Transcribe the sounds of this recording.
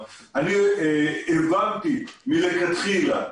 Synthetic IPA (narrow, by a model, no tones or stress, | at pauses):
ani | evant̪imilekat̪χila